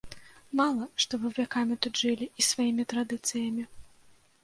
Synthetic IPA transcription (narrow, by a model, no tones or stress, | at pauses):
malˠɐʂt̪ɔvɨvʲakamʲit̪ud̪ʐɨlʲiisv̥ajimʲit̪ɾad̪ɨt̪sɨjɐmʲi